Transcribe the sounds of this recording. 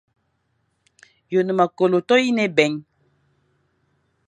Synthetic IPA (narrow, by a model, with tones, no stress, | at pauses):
jo˨nɨ˨ma˨ko˨lo˨tɔ˦ji˦nɛ˦bɛ˨ɲ